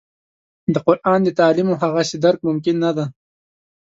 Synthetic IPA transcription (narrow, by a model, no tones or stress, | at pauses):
d̪əqʊɾʔɑːnd̪ət̪ɑːlimoɦaɣased̪aɾk̚mʊmkɪnːad̪a